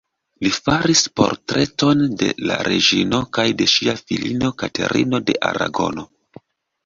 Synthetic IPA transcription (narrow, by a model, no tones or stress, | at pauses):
lifaɾispo̞̰ɾtɾʔeto̞nde̞̰la̰ɾeʒino̞kajde̞ʃiafilino̞katʰe̞̰ɾʔḭno̞de̞ʔaɾa̰ɡo̞no̞